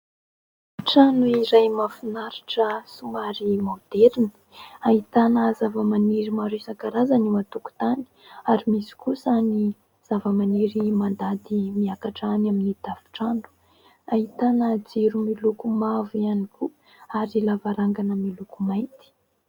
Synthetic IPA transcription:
ʈ͡ʂanuiɾajmafinaɾiʈ͡ʂəsumaɾimawd̪̥eɾini̥ | ait̪anəzavəmaniɾimaɾisakaɾazanimat̪uku̥t̪ani̥aɾimisi̥kusani | z̥avəmaniɾimand̪ad̪imiakaʈ͡ʂanaminid̪̥av̥i̥ʈ͡ʂanu̥ | ait̪anəd͡ziɾumilukumavianiku | aɾilavaɾaŋɡanəmilukumajt̪i̥

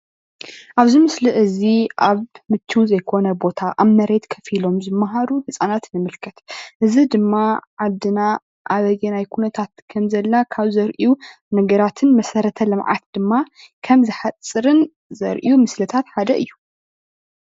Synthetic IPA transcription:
ʔaβzɨmɨsliʔɨziʔaβmɨt̪ʰːuwzɐjkʰo̞nɐbo̞t̪ʰaʔaβmɐɾe̞t̪kʰɐfilo̞mzɨmːaɦaɾuhɨsʼanat̪nɨmɨlkʰɐt̪ʔɨzid̪ɨmːaʕad̪ːɨna | ʔaβɐɡɐnajkʰunɐt̪ʰat̪kʰɐmzɐlːakʰaβzɐɾʔiu | nɐɡɐɾat̪ʰɨnmɐsɐɾɐt̪ʰɐlɨmʕa̰t̪̚d̪̥ɨmːa | kʰɐmzɨħat͡sʼːɨɾɨn | zɐ̰ɾʔijumɨslɐt̪ʰat̪ħad̪ɐʔɨ̰jːu

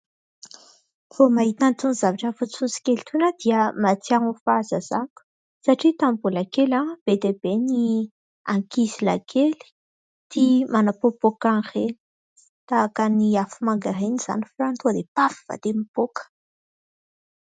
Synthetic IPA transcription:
fomaɦit̪ant̪unizavaʈ͡ʂəfususi̥kelt̪ʰunad̪̥iəmat͡siaɦufazəzaku̥ | saʈ͡ʂit̪ambulakelab̥ed̪ebeni | aŋkizila̰kʰeli̥ | t̪imanapopokareni̥ | t̪akəniafumaŋɡaɾeniz̥a̰nifrant̪uaɾepafi̥va̰d̪emipokə̥

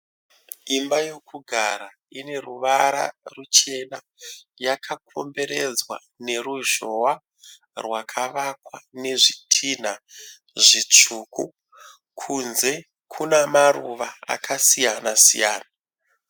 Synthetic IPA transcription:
imbajo̞kʰuɡʱaɾa | ine̞ruʋaɾa̰rut͡ʃe̞na | jakʰakʰo̞̰mbe̞ɾe̞d͡zwa̰ | ne̞ɾuʒo̞wa | rwakʰaʋakwane̞ʐitʰin̤a | ʐit͡ʂuːku | kʰunze̞ | kʰunamaruʋaa̰kʰasijanasḭja̰ːna

